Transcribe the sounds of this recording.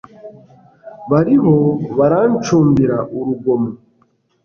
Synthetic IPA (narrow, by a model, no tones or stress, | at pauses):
βaɾiɦoβaɾant͡ʃuːmbiɾaʔuɾuɡomu